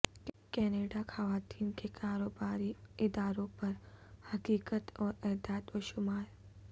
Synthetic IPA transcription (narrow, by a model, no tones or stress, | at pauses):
kɛːneːɖaxɐʋaːt̪iːnkekʰaːɾoːbaːɾiɪd̪aːɾõpɐɾhɐkiːkət̪ɔːɾɛɦd̪aːt̪oʃʊmaːɾ